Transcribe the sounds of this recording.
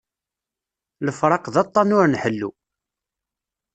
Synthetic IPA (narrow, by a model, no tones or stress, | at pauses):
ləfɾˤɑqðɑt̪ˤːɑnʊɾnħəlːṵ